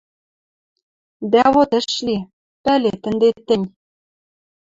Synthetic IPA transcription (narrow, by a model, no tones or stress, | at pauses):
d̪æβot̪ɘ̆ʃli | pælet̪ɘ̆nd̪et̪ːɘ̆nʲ